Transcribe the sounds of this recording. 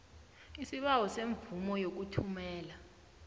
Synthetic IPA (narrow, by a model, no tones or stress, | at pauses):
isiɓawɔseɱbvumɔjok̬utʰumɛːla